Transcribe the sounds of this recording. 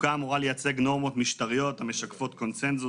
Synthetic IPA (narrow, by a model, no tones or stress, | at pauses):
kaːmuʁalejat͡se̞ɡno̞ʁmo̞t̪miʃt̪aʁijo̞t̪ame̞ʃakfo̞t̪̚ko̞nse̞nzu